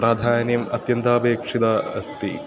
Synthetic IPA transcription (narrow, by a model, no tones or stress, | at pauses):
ɾaːd̪ʱaːnjɐmɐt̪jɐnt̪aːbeːkʂid̪ɐɐst̪i